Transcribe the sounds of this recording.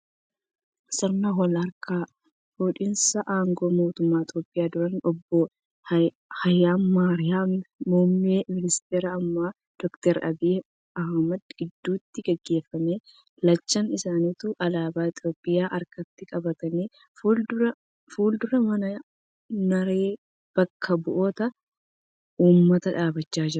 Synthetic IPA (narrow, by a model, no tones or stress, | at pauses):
sɐɾnɐɦɔlɐɾkaː | fuːᶑɪnsɐʔaːŋɡoːmo̞ːt̪ʊmːaːɪt̪ʼjo̞ːpʼːɪjaːd̪ʊɾɐnɔbːɔ | hɐjːaːnːaːɾɪjaːmːoːmːeːmɪlɪst̪eːɾɐːmːaː | d̪̥ɔkt̪ɛɾɐ̰bɪ | ɐhmɐd̪ɡ̥ɪd̪ːuːt̪ːɪɡɛɡːe̞ːfːɐmeː | lɐt͡ʃːɐnɪsaːniːt̪uʔɐlaːbaːɪt̪ʰʼjo̞ːpʼːɪjaːʔɐɾkɐt̪ːɪkʼɐbɐt̪ɐniː | fldʊɾɐ | fuːld̪ʊɾɐmɐnɐ | nɐɾeː | b̥ɐkːɐbʊʔoːt̪ɐ | uːmːɐt̪ɐᶑaːbɐt͡ʃːaːd͡ʒɪɾ